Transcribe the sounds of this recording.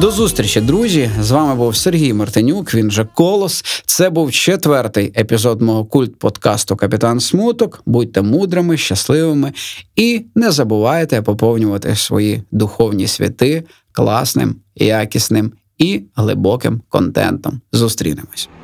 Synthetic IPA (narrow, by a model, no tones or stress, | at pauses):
d̪ɔzust̪ɾʲit͡ʃɐd̪ɾuzʲizʋɑmɪbuwserɦʲijmɐrt̪ɪnʲukʋʲinʒɛkɔlˠɔst̪sɛbuwt͡ʃet̪ʋɛrt̪ɪjepʲizɔd̪mɔɦɔkulʲt̪̚pɔd̪kɑst̪ʊkɐpʲɪt̪ɑnsmut̪ɔkbud̚ʲt̪ːɛmud̪ɾɪmɪʃt͡ʃɐslˠɪʋɪmɪinɛzɐbʊʋɑjet̪ɛpɔpɔwnʲʊʋɐt̪ɪ̰sʋɔ̰jid̪ʊxɔwnʲḭsʲʋʲḭt̪ɪ | klˠɑ̰snɪ̰mjakʲisnɪm | iɦlˠɪ̰bɔkɪ̰mkɔ̰nt̪ɛ̰nt̪ɔmzust̪ɾʲḭnɪmɔsʲ